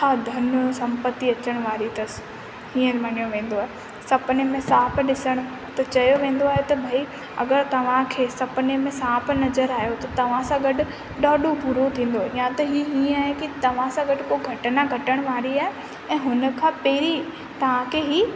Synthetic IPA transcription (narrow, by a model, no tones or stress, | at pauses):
t͡ɕʰaːd̪ʱɐnsɐ̃mpət̪ːiɐt͡ɕəɽ̃ʋaːɾit̪ɐs | hĩːəɾʋɐnijõʋẽːn̆d̪oaːɦe | sɐpnemẽsaːpɗɪsəɽ̃ | t̪ɐt͡ɕɐjoʋẽːn̆d̪oaːɦet̪ɐbʱai | ɐ̰ɡəɾt̪ɐʋ̤ãkʰeːsɐpnemẽsaːpnɐzəɾaːɦijot̪ɐt̪ɐʋ̤ãsãɡɐɖʊ | ɗaːɗopʊɾot̪ʰĩːn̆d̪oɪjãt̪ɐɦiːɦĩːaːɦekit̪ɐʋ̤ãsãɡɐɖkoɡʱɐʈnaɡʱɐʈəɽ̃ʋaːɾiaːɦe | ɛ̃ːɦʊnəkʰãːpeːɾi | t̪ɐʋ̤ãkʰeɦiː